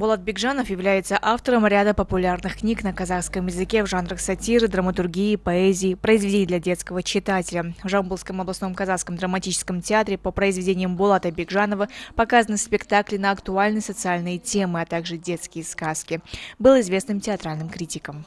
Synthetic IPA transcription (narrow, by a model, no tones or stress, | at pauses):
bʊlˠat̪̚bʲɪɡʐanəfjɪvlʲæjɪt̪səʔaft̪əɾəmɾʲad̪əpəpʊlʲarnɨxknʲiknəkɐzaxskəmjɪzɨkʲe̞vʐanɾəxsɐtʲiɾɨd̪rəmət̪ʊrɡʲijɪpɐɛzʲɪjɪpɾəɪzvʲɪdʲenʲɪjd̪lʲɛdʲe̞t̪skəvət͡ɕːɪt̪atʲɪlʲəvʐambulˠskəmɐblˠɐsno̞mkɐzaskəmd̪ɾəmɐtʲit͡ɕɪ̥skəmtʲɪat̪ɾʲɪpəpɾəɪzvʲɪdʲenʲɪjəmbʊlˠat̪əbʲɪɡʐanəvəpɐkazənɨspʲɪkt̪aklʲɪnəɐkt̪ʊalʲnɨsət̪sɨalʲnɨjətʲe̞mɨat̪aɡʐɨdʲe̞t̪skʲɪjəskaskʲɪbɨlˠɪzvʲe̞snɨmtʲɪɐt̪ɾalʲnɨmkɾʲitʲɪkəm